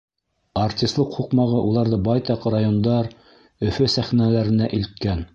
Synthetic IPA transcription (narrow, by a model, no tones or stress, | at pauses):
artʲist̪lˠɤqhuqmɑʁɤʔulˠɑɾðɤbɑjt̪ɑqrajond̪ɑɾ | ɵ̆fɵsæχnælæɾɘ̆næʔilt̪̚kæn